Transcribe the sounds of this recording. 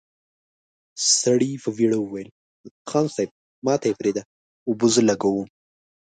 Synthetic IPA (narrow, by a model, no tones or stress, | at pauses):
st̪aɽifəviɽəwuwajəl | xɑnsajb̚ | mɑt̪ajepɾed̪a | ʊbuzəlaɡawu